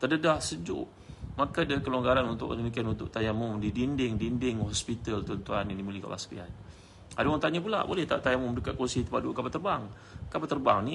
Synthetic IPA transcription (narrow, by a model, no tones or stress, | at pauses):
t̪ədədahsəd͡ʒʊ̰ʔ | makadaikəloŋɡaɾanunt̪ʊ̰ʔdəmikianunt̪ʊkʔ̚t̪ajamʊmdidindɪŋdindɪŋhɔspit̪əlt̪ɔnt̪uanjanimilika̰lʔa̰sə̥kḭa̰n | adawaŋt̪aɲap̬ula̰ʔbo̰lɛht̪a̰t̪ajamɔmdəkat̪̚kusit̪ə̥padukapat̪ərbaŋ | kapat̪ːərbaŋni